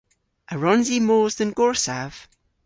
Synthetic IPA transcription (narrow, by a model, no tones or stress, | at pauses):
əɹɔ̃nzimoːzðə̃nɡɔɹsav̥